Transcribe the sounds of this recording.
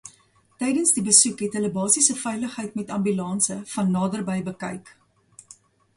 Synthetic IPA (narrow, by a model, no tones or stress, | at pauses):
tɛjdənsdibəsukɦɛtɦələbɑːsisəfɛjləχɦəjtmɛtɐmbylɑːnsəfɐnːɑːdərbəjbəkɐ̰jk